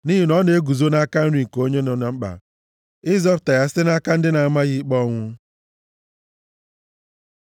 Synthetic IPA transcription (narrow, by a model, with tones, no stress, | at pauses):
ni˦ɦi˨nɔ˦ne˨e˦ɡu˨zo˦na˦ka˦n̩˦ɾi˨ŋ̩˨ko˦ɲe˦nʊ˨na˨ŋ͡m̩˦k͡pa̰˨ | ɪ˦zɔ˦ɾta˨ja˦sɪ˦na˦ka˦n̩˦dɪ˦na˨a˨ma˦ɣɪ˦k͡pɔ˦ŋʷʊ˦